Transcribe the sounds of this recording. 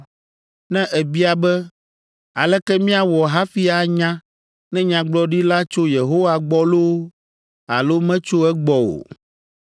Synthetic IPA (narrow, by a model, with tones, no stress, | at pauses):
nɛ̃˦ʔɛ˨bi˦a˨bɛ˦ | a˨lɛ˦kɛ˦mĩ˦a˨wɔ˨ɦa˦fi˦a˨ɲã˦ | nɛ̃˦ɲã˨ɡ͡blɔ˦ɖi˦la˦t͡ʃo˦je˨ɦo˦wa˨ɡ͡bɔ˦lo˦ | a̰˨lo˦mɛ̃˦t͡ʃo˦ɛ˦ɡ͡bɔ˨o̰˨